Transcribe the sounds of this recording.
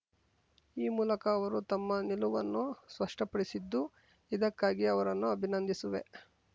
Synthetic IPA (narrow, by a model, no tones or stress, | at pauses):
iːmuːlɐkɐːʋɐɾut̪ɐmːɐniluʋɐnːuspɐʂʈɐpɐɽisid̪ːu | id̪ɐkːaːɡiɐʋɐɾɐnːuɐbʱinɐnd̪isuʋḛ